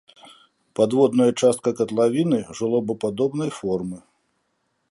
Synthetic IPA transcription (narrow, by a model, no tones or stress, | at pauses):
pad̪vɔd̪nɐjɐt͡ʂast̪̚kɐkɐt̪lˠavʲinɨʐɨlˠɔbɐpad̪ɔbnɐjfɔrmɨ